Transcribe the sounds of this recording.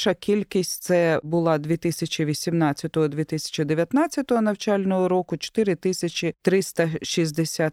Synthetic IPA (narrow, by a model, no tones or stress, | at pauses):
ʃɐkʲilʲkʲisʲtʲt̪sɛbʊlˠɑd̪ʲʋʲit̪ɪsʲɐt͡ʃʲiʋʲisʲimnɑt͡sʲːɐt̪ɔɦɔd̪ʋʲit̪ɪsʲɐ̥t͡ʃɪd̪eʋʲjɐt̪nɑt͡sʲːɐt̪ɔɦɔnɐwt͡ʃɑlʲnɔɦɔɾɔkʊt͡ʃo̥t̪ɪɾɪt̪ɪsʲɐt͡ʃʲit̪ɾɪst̪ɐʃizʲd̪esʲat̪